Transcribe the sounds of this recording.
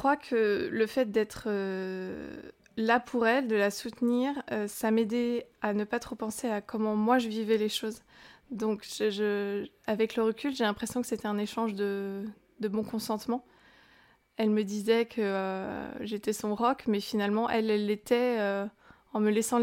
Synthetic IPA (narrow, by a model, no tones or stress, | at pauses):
kχwakʰələfɛt̪̚d̪ɛt̪χə | lapʰuʁɛld̪əlasut̪niʁøsamed̪eanəpat̪χopɑ̃seakʰɔmɑ̃mwaʒəvivɛleʃoz | d̪ɔ̃kʒəʒəavɛkləʁəkʲylʒelɛ̃pχesjɔ̃kə̥set̪ɛɛ̃neʃɑ̃ʒd̪ə | d̪əbɔ̃kɔ̃sɑ̃t̪mɑ̃ | ɛlməd̪izɛkʰəøʒet̪ɛsɔ̃ʁɔkmɛfinalmɑ̃ʔɛlɛlːet̪ɛø | ɑ̃məlɛsɑ̃